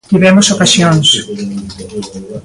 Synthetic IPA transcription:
t̪iβɛmosokasjons

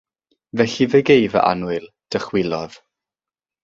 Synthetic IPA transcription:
vɛɬiveɡejvə̰ʔa̰nʊɨlˠ | d̥əχwɪlˠɔð̥

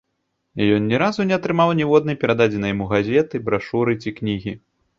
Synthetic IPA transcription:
jɔnnʲɛɾazunʲɛɐt̪ɾɨmawnʲɛvɔd̪nɨpʲɛɾad̪ad͡zʲɛnɐjmuɣazʲɛt̪ɨbɾaʂuɾɨt͡sʲiknʲiɣʲi

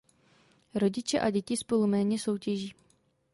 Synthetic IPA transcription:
ɾo̞ɟɪt͡ʃɛʔaɟɛcɪspo̞lumɛːɲɛso̞wcɛʒiː

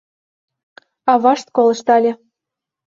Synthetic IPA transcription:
ɑβɑʃt̪̚kolɤ̆ʃt̪ɑlʲĕ

